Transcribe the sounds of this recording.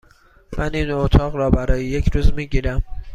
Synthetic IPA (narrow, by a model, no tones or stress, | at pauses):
mʔæniːnot̪ʰɒːɣɾɒːbæɾɒːjejecʰɾuːzmiːɟiːɾæm